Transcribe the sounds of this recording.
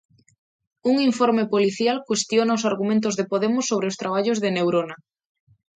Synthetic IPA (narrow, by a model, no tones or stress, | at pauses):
uŋiɱfoɾmepoliθjalkwest̪jonaʊsaɾɣumẽnt̪̬ʊzðepoðemʊsːoβ̞ɾeʊst̪ɾaβ̞aʎʊzðenewɾona